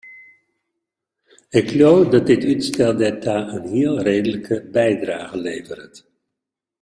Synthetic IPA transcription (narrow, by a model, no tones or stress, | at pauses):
ɪklowfdɑt̚dɪtytstɛlˠdɛtaənɦɪːlˠrejdələkʰəbɛjdraːχəlejvərət